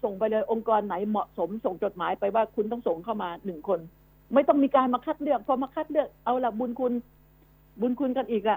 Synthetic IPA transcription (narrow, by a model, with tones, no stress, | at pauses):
so˨˩ŋpa˧jlɤː˧jʔo˧ŋkɔː˧nːa˩˦jmɔ˨˩ʔso˩˦mso˨˩ŋt͡ɕo˨˩t̪̚maː˩˦jpa˧jwaː˥˩kʰu˧nt̪ɔ˥˩ŋso˨˩ŋkʰa˥˩wmaː˧nɯ˨˩ŋkʰo˧n | ma˥˩jt̪ɔ˥˩ŋmiː˧kaː˧nmaː˧kʰaː˥˩t̪̚lɯ˥˩ək̚pʰɔ˧maː˧kʰa˥˩t̪̚lɯ˥˩ək̚ʔa˧wla˨˩bu˧nkʰu˧n | bu˧nkʰu˧nka˧nʔiː˨˩k̚la˨˧˩ʔ